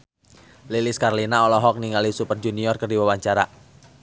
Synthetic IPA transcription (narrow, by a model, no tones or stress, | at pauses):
liliskarlinaɔlɔɦɔk̚niŋalisupərd͡ʒuniɔrkərdiwawaɲt͡ʃaɾa